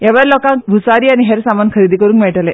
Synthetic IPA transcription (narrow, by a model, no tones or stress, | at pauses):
eʋaɾloːkãkbʱusaɾianiɦeɾsamankʰɐɾid̪ikəɾuŋkmeɭʈəle